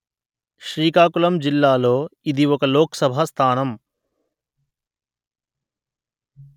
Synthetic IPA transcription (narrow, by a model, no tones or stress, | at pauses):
ʃɾiːkaːkulɐmd͡ʒilːaːlo̞ːid̪iɔkɐloːkɐ̥sɐbʱast̪ʰaːnɐm